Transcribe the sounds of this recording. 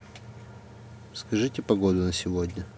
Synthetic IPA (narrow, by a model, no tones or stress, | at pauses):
skɐʐɨtʲɪpɐɡod̪ʊnəsʲɪvodʲnʲə